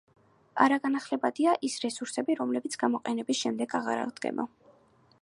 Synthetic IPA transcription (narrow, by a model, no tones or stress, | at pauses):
aɾaɡanaχlɛbad̪iaʔisɾɛsuɾsɛbiɾɔmlɛbit̪sʰɡ̥amɔqʼɛnɛbisʃɛmd̪ɛɡaʁa̰ɾa̰ʁd̪ɡɛ̰nɔ̰